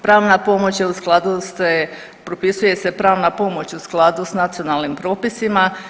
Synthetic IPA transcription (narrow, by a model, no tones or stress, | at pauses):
pɾaːʋnapo̞mo̞t͡ɕje̞usklˠad̪use | pɾopisuje̞se̞pɾaːʋnapo̞mo̞t͡ɕusklˠad̪usnat̪sio̞nalnimpɾo̞ːpisima